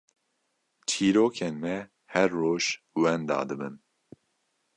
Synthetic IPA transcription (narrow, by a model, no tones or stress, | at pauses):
t͡ʃʰiːɾoːkʰeːnmɛ | hɛɾːoːʒ | wɛnd̪ɑ̰ːd̪ɨbɨn